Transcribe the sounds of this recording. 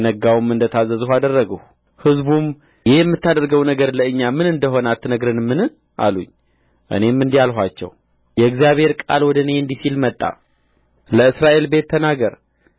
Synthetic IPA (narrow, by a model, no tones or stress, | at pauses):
nəɡawmɨnd̪ət̪ʰazːəzuhad̪ərːəɡəh | hɨzbum | jɛjɛmːɨt̪ʰːad̪əɾɡəwnəɡəɾləɨɲːamɨnɨnd̪əɦo̞nat̪ːnəɡɾɨnmɨnɨ | ʔa̰lṵɲː | ʔɨ̰ne̞mːɨnd̪ialɦʷat͡ʃːɛ̰w | jɛɨɡzijaβhe̞ɾkʼa̰lwɔd̪əne̞ɨnd̪isilmət̪ʼːa̰ | ləɨsɾaʔe̞lbe̞t̪ʰːənaɡəɾ